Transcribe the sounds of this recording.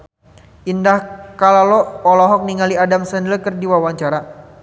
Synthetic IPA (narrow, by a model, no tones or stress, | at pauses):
indahkalalɔːlɔɦɔk̚niŋaliadamsəndləkərdiwawaɲt͡ʃaɾa